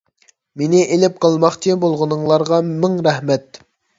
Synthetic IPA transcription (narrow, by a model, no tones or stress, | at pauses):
menɪʔelɪp̚qʰɑlˠmɑχt͡ʃʰibolˠʁənɨŋlˠɑɾʁɑmɪŋɾɛhmɛt̪̚